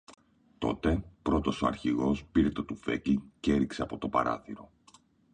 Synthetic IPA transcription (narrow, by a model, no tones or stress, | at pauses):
t̪o̞̰t̪e̞pɾo̞t̪o̞soɐɾçiɣo̞spiɾet̪ot̪ufe̞̰cliŋceeɾikse̞ɐpo̞t̪o̞pɐɾɐ̰θiɾo̞